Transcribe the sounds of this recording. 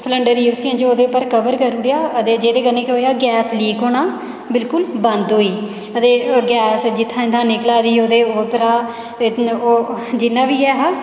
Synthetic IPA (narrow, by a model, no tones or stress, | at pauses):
sləɳɖəɾiuːsiãːnd͡ʒooːd̪eːpəɾkəʋəɾkəɾʊɽjaːət̪eːd͡ʒeːd̪eːkənːẽːkɪɦoːjaːɡɛːsliːkɦoːnaː | bɪlkʊlbə̃nd̪ɦoːiː | ət̪eːɡɛːsd͡ʒɪt̪ʰːãːɪnd̪ʰãːnɪklaːd̪iːoːd̪eːoːpəɾaː | oːd͡ʒɪnːãːʋiːɛːɦaː